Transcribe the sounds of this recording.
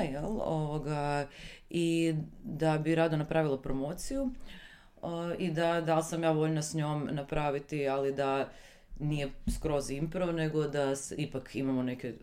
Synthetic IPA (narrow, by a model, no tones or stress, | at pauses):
jelˠo̰ʋoɡa | id̪abiɾaːd̪onapɾaːʋilˠapɾomo̞ːt̪siju | id̪ad̪alˠsamjaːʋo̞ʎnasɲoːmnapɾaːʋit̪ialid̪a | nije̞skɾo̞zimpɾone̞ɡo̞d̪asipakʰimamo̞neke